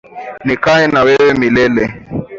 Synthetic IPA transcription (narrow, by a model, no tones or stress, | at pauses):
nikaɛnawewemilɛlɛ